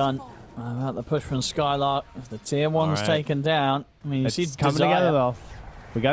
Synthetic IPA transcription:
ʌ̃nʔəəbaʊʔ̪̚ðəpʰʊʃɹə̃mskaɪlɑk̚ɪfðətʰɪəwʌ̃nzz̥tʰeɪkɨ̃ndãʊ̃n | mĩnjsikʰʌ̃mɪ̃ztəɡɛðə˞ɔfwəɡo

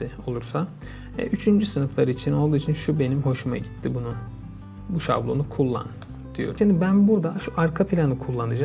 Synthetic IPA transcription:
io̞lˠuɾsa | ɛ̰ʔyt͡ʃʰynd͡ʒysɯnɯflˠaɾit͡ʃʰino̞lˠd̪uːit͡ʃʰinʃube̞nimɦo̞ʃuma̰ɟit̪ʰːibunu | buʃa̰blˠo̞̰nukʰulˠːa̰n | d̪̥ijo̞̰ɾʃimnd̪ibænbuɾd̪aʃuʔaɾkʰapʰilʲanɯkʰulˠːanɯd͡ʒa

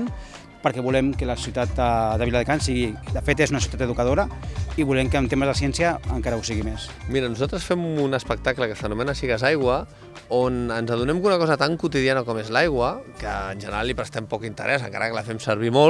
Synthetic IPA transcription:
n | pəɾkɛβulɛmkələsiuwt̪at̪̚əðəβilaðəkansiɣid̪əfet̪ezunəs̬iut̪at̪əðukəðoɾəiβulɛmkəːmt̪eməzðəsjɛnsjəəŋkaɾəusiɣimes | miɾənuzalˠt̪ɾəsfɛmunəspək̚t̪akləkəfənumɛnəsiɣəzajɣwə | onənzəðunɛmkunəkɔzət̪aŋkut̪iðianəkɔmezlajɣ̞wəkəːnʲʒənəɾa̰lˠːipɾəst̪ɛmpɔkint̪ə̰ɾʔɛzə̰ŋka̰ɾəkələfɛmsəɾβimo

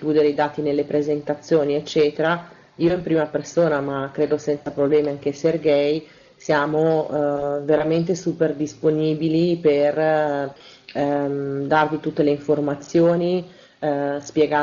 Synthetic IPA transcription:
kluːd̪eɾeid̪aːt̪inelːepɾezent̪at̪sːjoːniet͡ʃːɛːt̪eɾa | iːoimpɾiːmapersoːnamakːɾeːd̪osɛnt̪sapɾoblɛːmiaŋk̟eserɡɛj | sjaːmo | veɾament̪esuːperd̪isponiːbiliper | d̪arvit̪ut̪ːeleiɱformat̪sːjoːni | spjeɡa

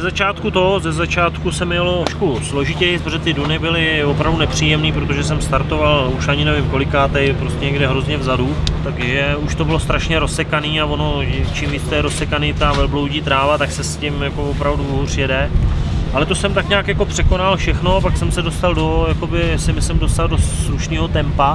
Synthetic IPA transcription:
ɛzat͡ʃaːt̪kut̪o̞zɛzat͡ʃaːt̪kusɛmɪjɛloʃkuslo̞ʒɪcɛjɪpoʒɛt̪ɪdunɪbɪlɪvopɾavdunɛpr̥iːjɛmniːpɾot̪oʒɛsɛmst̪aɾt̪ovaluʃaɲɪnɛvɪmko̞lɪkaːt̪ɛjpɾoscɛɲɛɡdɛɦɾo̞zɲɛvzadut̪aɡʒɛuʃt̪obɪlo̞st̪ɾʔaʃɲɛɾo̞sɛkaniːavo̞no̞t͡ʃimviːt͡st̪ɛːɾo̞sɛkaniːt̪avɛlblo̞wɟiːt̪ɾaːvat̪aksɛscɪmjako̞vopɾavduourjɛdɛʔalɛt̪o̞sɛmt̪akɲaːkjako̞pr̝̥ɛko̞nalfʃɛxno̞paksɛmsɛdo̞st̪aldo̞jakobɪsɪmɪslɪmdo̞st̪aldo̞ssluʃniːɦo̞t̪ɛmpa

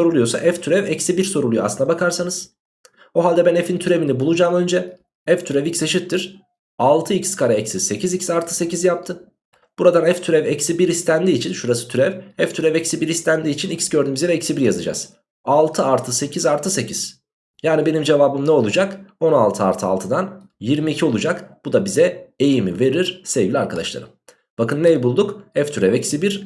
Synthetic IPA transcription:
o̞ɾulˠujo̞sa̰ʔɛft̪ʰyɾɛvɛcsibiɾso̞ɾulˠujoa̰slɯnd̪abakʰaɾsanɯz̥ | oɦalʲd̪ɛbænefint̪ʰyɾe̞vinibulˠud͡ʒaːmø̞nd͡ʒɛ | ɛft̪ʰyɾɛvicseʃit̪ːiɾ̥ | alˠt̪ʰɯicskʰaɾaɛcsise̞cʰizicʰsaɾt̪ʰɯ̥se̞cʰizjap̚t̪ʰɯ | b̥uɾad̪anɛft̪ʰyɾɛvɛcsibiɾist̪ʰænd̪ʲiːt͡ʃʰinʃuɾasɯ̥t̪ʰyɾɛvɛft̪ʰyɾɛvɛcsibiɾist̪ʰænd̪iːt͡ʃʰinicsɟø̞ɾd̪ymizjeɾɛɛcsibiɾjazad͡ʒa̰z̥ | alˠt̪ʰɯaɾt̪ʰɯse̞cʰizalt̪ʰɯse̞cʰiz̥ | jaːnibe̞nimd͡ʒe̞vaːbɯmnɛo̞lˠud͡ʒako̞nalˠt̪ʰɯa̰lt̪ʰɯa̰lˠt̪ʰɯd̪an | jiɾmiːcʰio̞lˠud͡ʒakb̥ud̪abizɛe̞jimive̞ɾiɾ̥sevɡilʲaɾkʰad̪a̰ʃlˠa̰ɾɯm | b̥akɯnːɛjbulˠd̪ukɛft̪ʰyɾɛvɛcsibiɾ

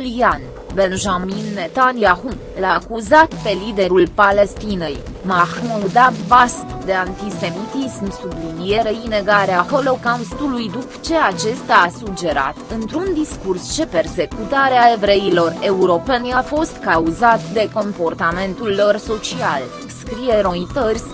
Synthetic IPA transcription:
lian | be̞nʒaminːe̞t̪aniaxum | lakuzat̪pe̞lid̪e̞ɾulpale̞st̪inej | maxnod̪avast̪d̪e̞ant̪ise̞mit̪ismsublinije̞ɾeine̞ɡaɾeaholo̞kawst̪ulujd̪ukt͡ʃe̞at͡ʃe̞st̪aːsud͡ʒe̞ɾa̰t̪ɨnt̪ɾund̪iskurst͡ʃe̞pe̞rse̞kut̪aɾeae̞vɾe̞ilo̞re̞uɾo̞pe̞nʲiafo̞st̪kauzat̪d̪e̞ko̞mpo̞rt̪ame̞nt̪ulːorso̞t͡ʃial | skɾije̞ɾo̞it̪ərʲs

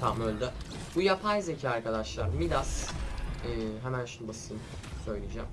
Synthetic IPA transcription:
t̪ʰamølʲd̪ɛ | bujapʰajze̞cʰaːaɾkad̪aʃlˠa̰ɾmid̪as | ɛːɦemænʃunbasɯn | sø̞jlʲid͡ʒæm

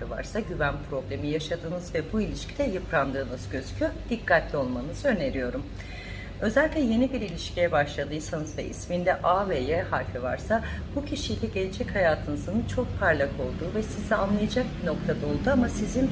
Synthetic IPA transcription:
ɛva̰ɾsaɟyvænpʰɾo̞blʲe̞mijaʃad̪ɯːnɯzvɛbuilʲiʃcʰid̪ɛjɯpɾand̪ɯːnɯz̥ɟø̞zycʰyd̪̥ikʰːat̪lʲio̞lˠmanɯzø̞ne̞ɾijo̞ɾum | ø̞zɛlʲiclʲɛje̞nibiɾilʲiʃcʰijɛbaʃlˠad̪ɯjsanɯzvɛ̰ʔḭsmind̪ɛʔavɛjehaɾfɛva̰ɾsab̥ucʰiʃijlʲɛɟe̞lʲed͡ʒɛchajaːt̪ʰɯnɯzɯnɯnt͡ʃʰo̞k̚pʰaɾlˠakʰo̞lˠd̪uːvɛsizianlˠajad͡ʒak̚bino̞kt̪ʰad̪olˠd̪uamasizin

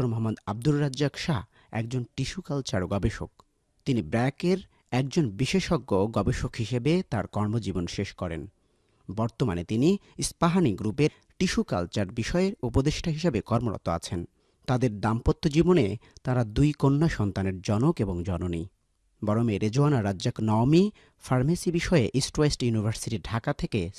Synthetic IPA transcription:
oɾmɔɦɔmːod̪ab̚d̪ulɾad͡ʑakʃa | ɛ̰k̚d͡ʑonʈiʃukalt͡ɕaɾɡɔbeʃo̰k | t̪inibɾɛkeɾ | ɛk̚d͡ʑonbiʃeʃɔɡːoɡɔbeʃokɦiʃebet̪aɾkɔɾmod͡ʑibonʃeʃkɔɾḛn | bɔɾt̪omanet̪ini | spaɦaniɡɾupeɾ | ʈiʃuka̰lt͡ɕaɾbiʃɔeɾupod̪eʃʈʰaɦiʃebekɔɾmoɾɔ̰t̪ːoa̰t͡ɕʰen | t̪ad̪eɾd̪ampot̪ʰːod͡ʑibonet̪aɾad̪ujkonːaʃɔnt̪aneɾd͡ʑɔnokeboŋd͡ʑɔnoni | bɔɾomeɾed͡ʑoanaɾadːʑaknɔomi | faɾmesibiʃɔeʔisʈoesʈjunibʱaɾsiʈiɖʱakat̪ʰeke

